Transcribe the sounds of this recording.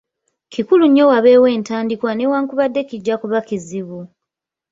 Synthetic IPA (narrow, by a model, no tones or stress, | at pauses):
kʰikuluɲːo̞waβe̞ːwe̞ːntaːndikwane̞waːŋkuβadːe̞ciɟːakuβakiziβu